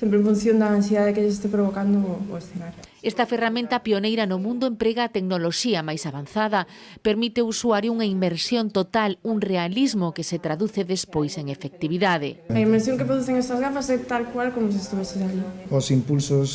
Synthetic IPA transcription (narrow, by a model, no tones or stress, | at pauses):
sempɾẽɱfũn̟θjõnd̪ɐːnsjeðaðekeʎɪsest̪epɾoβokand̪ooesθenaɾ | ɛst̪ɐferamẽnt̪ɐpionejɾɐnomũnd̪ʊempɾeɣaːt̪eknoloʃiɐmajsaβanθaðɐ | peɾmit̪eousuaɾjʊuŋɐimbeɾsjont̪ot̪aluŋrealizmokeset̪ɾaðuθeðespojseŋefek̚t̪iβiðaðeaimeɾsjõŋkepɾoðuθeŋɛst̪ɐzɣafasɛt̪alkwalkomʊs̬iest̪iβɛsesaʎiosimpulsos